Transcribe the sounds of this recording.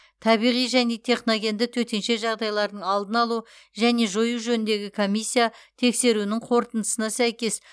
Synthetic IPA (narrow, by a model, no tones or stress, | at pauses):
t̪ʰɑbijʁijʒæne̞t̪ʰe̞χnoɡʲe̞nd̪ɪk̚t̪ʰɵt̪e̞nʃe̞ʒɑʁd̪ɑjlˠɑɾd̪əɴɑlˠd̪ənɑlˠu | ʒæne̞ʒojuʒɵnɪnd̪eɡʲɪkʰo̞mʲijsʲːijat̪ʰe̞kse̞ɾunɪɴqʰo̞ɾt̪ənd̪əsənɑsæjkʲe̞s